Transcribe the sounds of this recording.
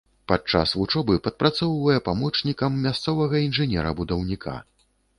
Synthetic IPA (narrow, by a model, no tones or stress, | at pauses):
pat͡ʂa̰svut͡ʂɔbɨpɐt̪̚pɾʔat̪sɔwvɐjɛpamɔt͡ʂnʲikɐmːʲast̪sɔvɐɣɐinʐɨnʲɛ̰ɾɐ̰bud̪ɐwnʲikʰa̰